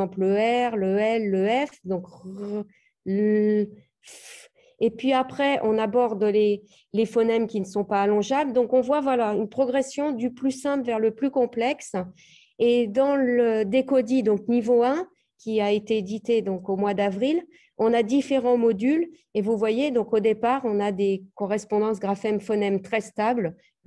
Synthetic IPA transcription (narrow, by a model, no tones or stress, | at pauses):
ɑ̃pəɛʁləɛlːəɛfd̪ɔ̃k | epɥiapχɛʔɔ̃nabɔʁd̪le | lefɔnɛmkʲinəsɔ̃paːlɔ̃ʒabld̪ɔ̃kɔ̃vwavwalaynpχɔɡʁɛsjɔ̃d̪yplysɛ̃plvɛʁləplykɔ̃plɛks | ed̪ɑ̃ləd̪ekɔd̪id̪ɔ̃k̚nivoɛ̃ | kʲiaet̪eːd̪it̪ed̪ɔ̃komwad̪avʁil | ɔ̃nad̪ifeʁɑ̃mɔd̪yl | evuvwajed̪ɔ̃kod̪epaʁɔ̃nad̪ekɔʁɛspɔ̃d̪ɑ̃sɡʁafɛmfɔnɛmt̪χɛst̪abl